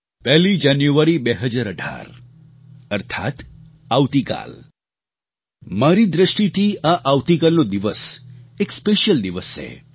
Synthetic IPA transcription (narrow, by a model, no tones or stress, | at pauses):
pɛɦlid͡ʒanjuʋaɾibeɦəd͡ʒaɾəɖʱa̰ɾ | əɾt̪ʰa̰t̪ | aʋt̪ika̰l | maɾid̪ɾəʃʈit̪ʰiaʔaʋt̪ikalnod̪iʋəsekspeʃjəld̪iʋəst͡ʃʰḛ